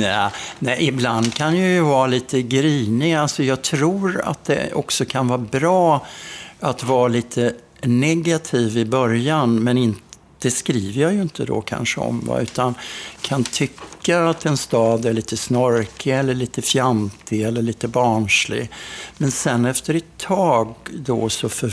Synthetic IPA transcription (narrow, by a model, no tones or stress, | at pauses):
aːnɛɪʔɪbland̪kʰanjajɵvɑːɾaliːt̪ʰəɡɾiːnɪalsɔjɑːɡ̚t̪ʰɾuːɾa̰t̪̚d̪ɛ̰ʔɔ̰ksɔkʰanvɑːɾbɾɑːʔat̪vɑːɾaliːt̪ʰə | nɛɡat̪ʰiːvɪbœɾjanmɛnɪnt̪ | d̪̥ɛskɾiːvəɾjɑːjɵɪnt̪ʰəd̪o̰kʰa̰nʂəɔ̰mva̰ʉ̟ːt̪ankʰant̪ʰʏkːaːt̪ɛnst̪ɑːd̪æɭiːt̪əsnɔɾkʰɪɛlːəɭiːt̪əfjamt̪ʰɪɛlːəɭiːt̪əbɑːɳʂlɪ̰ɡmɛnsɛnːɛft̪əɾɛt̪ʰːɑːɡd̪ɔ̰sɔfœ